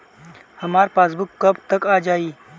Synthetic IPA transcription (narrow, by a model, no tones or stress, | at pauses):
hɐmaːɾpaːs̬bʊkːɐbt̪ɐkaːd͡ʒaːiː